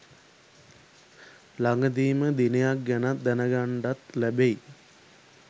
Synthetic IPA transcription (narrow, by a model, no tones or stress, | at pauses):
laŋɡəd̪̬iːməd̪inejak̚ɡænat̪̚d̪ænəɡaɳɖat̪lebej